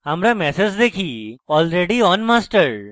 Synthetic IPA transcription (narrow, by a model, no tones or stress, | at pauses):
ãmɾamɛsed͡ʒd̪ekʰiːɔːlɾeɖiɔnmasʈəɾ